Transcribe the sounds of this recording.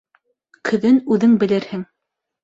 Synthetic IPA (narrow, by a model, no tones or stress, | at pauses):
kʰɵ̆ðɘnʉðɘŋbɘ̆lɘɾhɘŋ